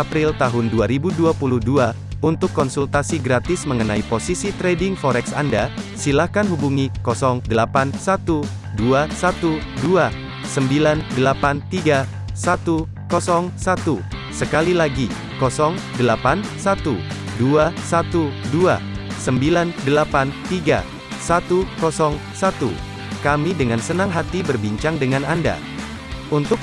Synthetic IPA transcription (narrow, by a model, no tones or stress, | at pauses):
apɾɪlt̪aɦʊnduaɾibuduapuluhdua | unt̪ʊkːɔnsult̪asiɡɾat̪ɪsməŋənaiposisit̪ɾedɪŋfɔɾɛksandasilahkanhubuŋikɔsɔŋdəlapansat̪u | duasat̪u | dua | səmbilandəlapant̪iɡa | sat̪u | kɔsɔŋsat̪u | səkalilaɡi | kɔsɔŋdəlapansat̪uduasat̪udua̰səmbilandəlapant̪iɡa̰ | sat̪ukɔsɔŋsat̪ṵ | kamidəŋansənaŋɦat̪ibərbiɲt͡ʃaŋdəŋananda̰ | unt̪ʊk